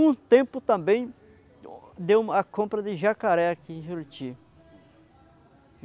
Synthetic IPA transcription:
ũt̪ẽmpʊt̪ɐ̃mbẽj̃ | d̪ewakõmpɾɐd̪ɪʒakaɾɛakĩʒuɾt͡ʃi

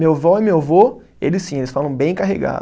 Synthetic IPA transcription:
mewvɔɛmewvo | elɪsĩelɪsfalɐ̃w̃bẽj̃kaɦḛɡa̰d̪

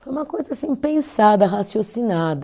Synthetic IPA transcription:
fojũmɐkojzɐasĩpẽsad̪ɐɦasjosinad̪ɐ

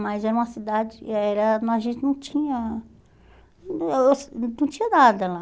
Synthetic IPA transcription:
mɐjzɛɾɐũmɐsid̪ad͡ʒɪɛɾɐnɔ̃aʒẽnt͡ʃɪnɐ̃w̃t͡ʃĩɲɐ | esnɐ̃w̃t͡ʃĩɲɐnad̪ɐla

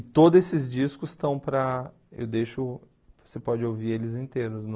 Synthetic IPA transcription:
t̪od̪ʊzesɪzd͡ʒiskʊst̪ɐ̃w̃pɾɐ | ḛwd̪eʃʊ | vo̥sepɔd͡ʒɪowviɾelɪzĩnt̪eɾʊsnʊ

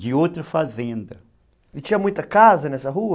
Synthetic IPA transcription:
d͡ʒɪowt̪ɾɐfazẽnd̪ɐ | elɪt͡ʃĩɲɐmũj̃t̪ɐkazɐnɛsɐɦuɐ

